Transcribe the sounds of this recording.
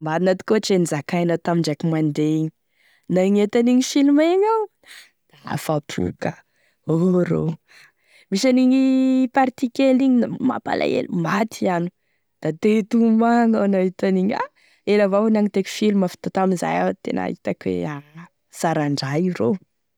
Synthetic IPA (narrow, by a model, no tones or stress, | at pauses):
maɾinat̪i̥koʈ͡ʂenizakajnat̪amiɳɖ͡ʐakimand̪eiɲi | naɲet̪aniɲifilumeɲaw̪ | d̪̥aa̰fapʰṵka | oɾo̰ | misaniɲipaɾt̪ikeliɲinama̰pa̰lʔa̰ḛlumat̪ʰianu | d̪̥at̪et̪umaŋawnaɦit̪aniɲa̰ | elavawnaŋit̪eki̥filmafi̥t̪ot̪aminza̰jawt̪ḛna̰ɦit̪akwḛa | saɾaɳɖ͡ʐaiɾo